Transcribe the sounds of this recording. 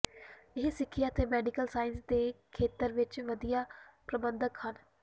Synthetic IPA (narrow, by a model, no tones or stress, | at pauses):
ɪɦsɪkʰːɪjaːt̪eːmɛːɖɪkəlsaːɪnsd̪eːkʰeːt̪əɾʋɪt͡ʃʋəd̪ijaːpɾəbənd̪əkhən